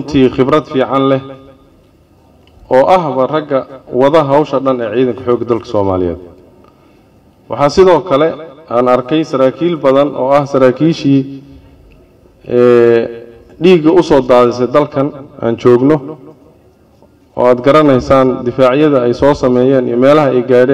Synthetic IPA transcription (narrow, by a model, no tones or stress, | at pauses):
rʊnt̪ʰiːχɪbɾɐd̪fiːʕɑnlɛ | ɔːʔɐɦβɐrɐɡːɐwɑðɐɦɐwʃɐɖɐnɛːʕiːðɐŋkʰɐħɔːɡɐd̪ɐlkʰɐ̥sɔːmaːlɪjɛ̰ːd̪̚ | wʔɑ̰ħɑːsɪðɔːkʰɐlɛaːnɐrkʰɛjsɐɾaːkʰiːlbɐðɐnʔɔ̰ːɐhsɐɾaːkʰiːʃiː | ɛː | ɖiːɡɐʊsɔːd̪aːðɪs̬ɛjd̪ɐlkʰɐnʔa̰ːnt͡ʃɔːɡnɔ | ɔ̰ːaːd̪ɡɐɾɐnɛjsaːnd̪ɪfaːʕjɐðɐɛjsɔːsɐmɛːjɛːnḭjmɛːlɐɦɐɛjɡaːɽɛː